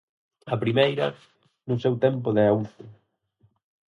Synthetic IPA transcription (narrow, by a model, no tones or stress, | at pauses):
ɐpɾimejɾɐ | nʊsɛwt̪ɛmp̬ʊðɪawt̪ʊ